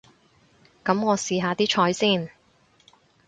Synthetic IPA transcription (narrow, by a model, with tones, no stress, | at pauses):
kɐ˨˥mŋɔː˨˧siː˧ɦaː˨˧t̪iː˥t͡ʃʰɔː˨˧˥jsiː˥˩n